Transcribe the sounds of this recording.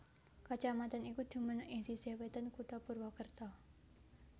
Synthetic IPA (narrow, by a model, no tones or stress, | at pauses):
kat͡ʃamat̪anikud̪̥ṳmənəʔɪsisewet̪ənkuʈ̪ɔpurwɔkərt̪ɔ